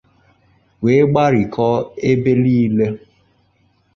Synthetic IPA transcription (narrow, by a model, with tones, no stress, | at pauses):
we˨˦ɡ͡ba˦ɾi˨kʰɔ˦e˦be˦liː˦le˦